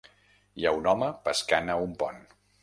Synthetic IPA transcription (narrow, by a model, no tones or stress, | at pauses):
jaunɔməpəskanəumpɔn